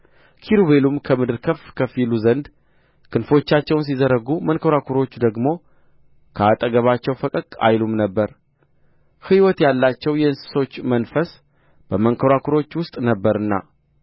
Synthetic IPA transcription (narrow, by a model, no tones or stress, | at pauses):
kʰiɾuβe̞lumkʰəmɨd̪ɨɾkʰəfkʰəfiluzənd̪ | kʰɨnfo̞t͡ʃːat͡ʃːɛwns̬izəɾəɡumənkʰəɾakʰuɾo̞t͡ʃːd̪əɡmo̞ | kʰəat̪ʼəɡəβat͡ʃːɛwfəkʼəkʼa̰jlumnəbːəɾ | hɨwɔt̪jalːat͡ʃːɛwjɛɨnsɨ̥so̞t͡ʃːmənfəs | b̥əməŋkʰəɾakʰuɾo̞t͡ʃːwʊst̪ʼnəbːəɾɨnːa̰